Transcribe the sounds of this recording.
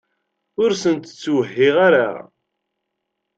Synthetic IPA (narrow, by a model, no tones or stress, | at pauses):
ʊɾsənt̪ət͡sːwɦːɪʁaɾa̰